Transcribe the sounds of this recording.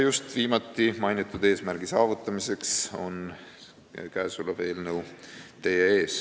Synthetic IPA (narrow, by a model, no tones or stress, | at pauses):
just̪viːmɑt̪ˑːimɑjnit̪ːˑud̪̥e̞ːsmærɡ̥isɑːvut̪ːˑɑmise̞kso̞̰n | kæːsuleve̞ːlnə̞wt̪e̞jeeːs